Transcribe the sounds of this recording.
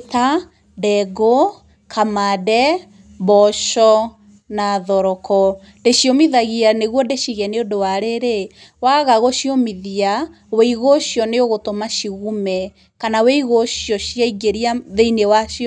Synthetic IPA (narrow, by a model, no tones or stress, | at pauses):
ta | dɛɡo | kʰamadɛ | bɔʃɔ | naðɔɾɔkɔ | deʃiomiðaɣianeɣwɔdeʃiɣɛneodowaɾeɾe | waɣaɣoʃjomiðia | weiɣoɕjɔneoɣotomaʃiɣumɛ | kanaweiɣoɕijɔɕjaiɡeɾiaðeinewaʃi